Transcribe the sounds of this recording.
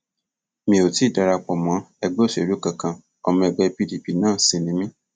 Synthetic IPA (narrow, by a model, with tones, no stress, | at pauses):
mĩ˧˨o˨ti˨˦˨da˧ɾa˧k͡pɔ˨mɔ̃˨˦ɛ˧ɡ͡bɛ˦˨ʃe˨ɾu˨˦kã˨kã˧ | ɔ˧mɔ̃˧ɛ˧ɡ͡bɛ˧pi˦˨di˨pi˨˦nãː˦˨sĩ˧nĩ˨˦mĩ˦